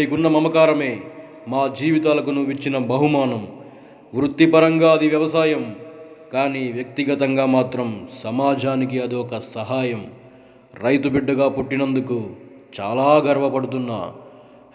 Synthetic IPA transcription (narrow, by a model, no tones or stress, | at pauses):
ikunːɐmɐmɐkaːɾɐme̞ː | maːd͡ʒiːʋit̪aːlɐkunuʋit͡ʃːinɐbɐɦumaːnɐm | ʋɾut̪ːipɐɾɐŋɡaːɐd̪iʋjɐʋɐsaːjɐmkaːniːʋjɐkt̪iɡɐt̪ɐŋɡaːmaːt̪ɾɐmsɐmaːd͡ʒʱaːnik̬iɐd̪iɔkɐsɐɦaːjɐm | ɾɐjt̪ubiɖːɐɡaːpoʈːinɐnd̪ukut͡ʃa̰ːlaːɡɐɾʋɐpɐɽut̪̬unːɐ̰